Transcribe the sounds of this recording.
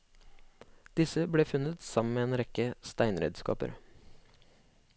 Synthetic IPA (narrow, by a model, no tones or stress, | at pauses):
d̪̥ɪsəbɽeːfʉnət̪sɑmən̩meːeːnɾɛkəst̪æɪnɾḛːd̪skɑ̰ːpə̰ɾ